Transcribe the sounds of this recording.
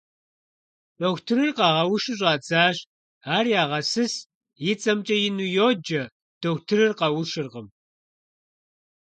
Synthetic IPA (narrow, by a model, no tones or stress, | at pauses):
doːxʷtʰɨɾɨrqɑːʁɐwʊʃɨɕ̬ʼɑːd͡zaːɕ | aːrjaːʁɐsɨs | jɪt͡sʼɐmt͡ʃʼɐjɪnujoːd͡ʒɐ | d̥oːxʷtʰɨɾɨrqɐwʊʃɨrqəm